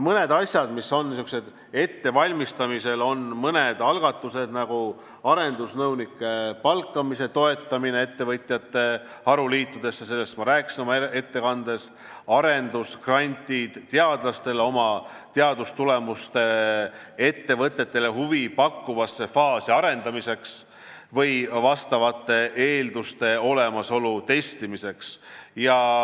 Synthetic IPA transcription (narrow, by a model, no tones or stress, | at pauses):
mɤne̞d̪̥ɑsʲjɑd̪misːo̞nːsukse̞d̪̥ | e̞t̪ːe̞vɑlʲmist̪ɑmise̞lo̞nmɤned̪̥ɑlɡ̥ɑt̪ˑːuse̞d̪nɑɡ̥u | ɑɾe̞nd̪usnɤwnikːˑe̞pɑlkːˑɑmise̞t̪o̞e̞t̪ˑːɑminee̞t̪ːe̞vɤt̪ʲˑjɑt̪ːe̞ | hɑɾuliːt̪ːˑud̪̥e̞sːɑse̞lːe̞st̪mɑɾæːksino̞mɑee̞t̪ːe̞kɑnd̪̥e̞s | ɑɾe̞nd̪uskrɑnʲt̪ʲid̪̥t̪ːeɑd̪̥lɑst̪e̞lo̞mɑt̪e̞ɑd̪̥ust̪ule̞must̪e̞ | e̞t̪ːe̞vɤt̪ˑːe̞t̪ːe̞le̞ɦuvipɑkːuvɑsːe̞fɑːsiɑɾe̞nd̪̥ɑmise̞ks | vɤjvɑst̪ɑvɑt̪ːˑe̞ʔeːld̪ust̪e̞o̞le̞mɑso̞lut̪e̞st̪imise̞ksjɑ